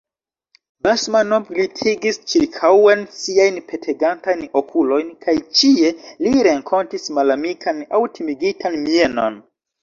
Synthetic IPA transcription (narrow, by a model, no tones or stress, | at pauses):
basmano̞blitʰiɡist͡ʃiɾkʰawe̞nsiajnpʰe̞tʰe̞ɡantajno̞kʰulo̞jnkʰajt͡ʃie̞liɾe̞ŋkʰo̞ntismalamikʰana̰wtimiɡitʰanmie̞no̞̰n